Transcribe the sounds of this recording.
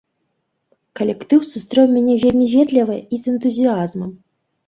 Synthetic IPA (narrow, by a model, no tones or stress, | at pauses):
kɐlʲɛkt̪ɨwsust̪ɾɛwmʲanʲɛvʲelʲmʲivʲɛd̪lʲɐvɨizɛnt̪uzʲiazmɐm